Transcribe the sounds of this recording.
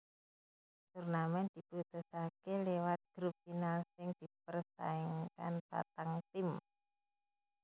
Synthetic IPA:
d͡ʒurnamɛnd̪̥iput̪usakelewat̪̚ɡ̥ɾup̚ːinalsɪŋd̪̥ip̚ərsa̰iŋka̰npa̰t̪aŋt̪ɪm

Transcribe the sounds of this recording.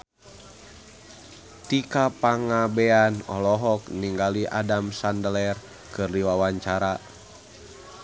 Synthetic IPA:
t̪ikapaŋabɛanɔ̰lɔɦɔkniŋɡaliʔa̰damsandəlɛr | kɨrdiwawaɲt͡ʃaɾa

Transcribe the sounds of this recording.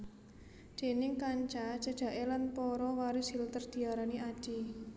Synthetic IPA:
d̪̥e̤nɪŋkaɲt͡ʃḁt͡ʃə̤d̥ʒ̥ä̤ʔelanpɔɾɔwaɾusilt̪ərd̪̥i̤aɾaniḁʒ̥i

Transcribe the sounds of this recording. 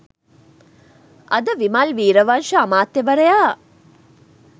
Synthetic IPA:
ɐ̰d̪əʋimalʋiːɾəʋanʃəamaːt̪jəʋɐɾəjaː

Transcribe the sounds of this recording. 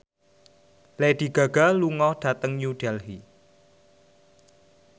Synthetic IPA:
led̪̥iɡ̥a̤ɡ̥a̤luŋɔhɖ̥ä̤t̪əŋjuɖ̥ɛlɦi

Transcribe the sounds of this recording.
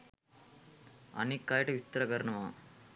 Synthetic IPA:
ɐ̰nikːaːjɐʈɐʋit̪ɾɐkɐɾɐɳɐʋaː

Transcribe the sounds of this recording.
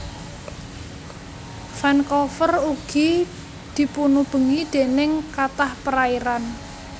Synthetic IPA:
fankɔfəruɡ̥i | d̪̥i̤punub̥ə̤ŋid̪̥e̤nɪŋkat̪ahpəɾaiɾan

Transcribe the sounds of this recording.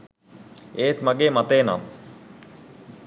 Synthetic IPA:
eːt̪maɡeːmat̪eːna̰m

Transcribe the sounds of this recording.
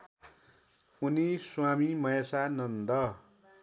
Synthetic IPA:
uniswamimʌjʌsanʌnd̪ʌ

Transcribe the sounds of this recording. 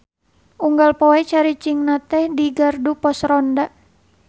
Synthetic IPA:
ʔuŋɡalpɔɛt͡ʃaɾit͡ʃiŋnat̪ɛhdiɡardupɔsrɔndaʔ

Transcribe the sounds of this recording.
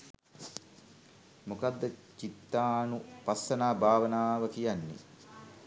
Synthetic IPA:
mukad̪ːət͡ʃit̪ːaːnupasːənaːbʱaːʋənaːʋəkijanːḭ

